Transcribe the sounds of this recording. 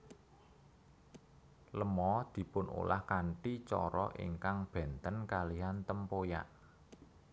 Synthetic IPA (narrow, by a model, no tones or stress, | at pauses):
ləmɔd̪̥i̤pʊnṵlʔa̰hkaɳʈit͡ʃɔ̰ɾɔ̰ʔḭŋkaŋb̥ɛ̤nt̪ənkaliant̪əmpoja̰ʔ